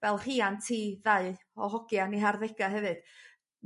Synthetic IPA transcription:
vɛlˠr̥iːantʰiːðaɨ | ɔɦɔɡjaniɦarðɛɡaɦɛvɨd̥

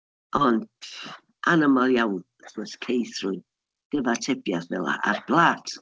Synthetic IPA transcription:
ʔɔn | ʔanɪmalˠjawn | θəskʰejθɾu | ɡ̥ɪvatʰɪpjasvɛ̰la̰ʔa̰ɾb̥lat

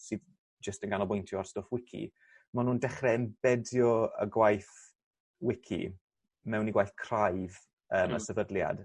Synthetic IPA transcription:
sɨːð | d͡ʒəstənɡanɔbʊjntʰjɔarstofwɪkʰḭ | manuːndɛχrɛɛmbɛdjɔə̰ɡwajθ | wɪkʰḭ | mɛwniɡwajθkʰrajv | əːmə̰sɛvədlˠja̰d̥

